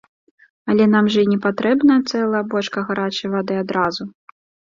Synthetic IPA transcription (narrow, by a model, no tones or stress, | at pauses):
ɐlʲɛnamʐɐinʲɛpat̪ɾɛbnɐjɐt̪sɛlˠɐjɐbɔʂkɐɣaɾat͡ʃɐvad̪ɨad̪ɾazu